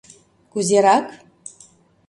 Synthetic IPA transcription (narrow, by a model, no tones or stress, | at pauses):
kuzeɾɑk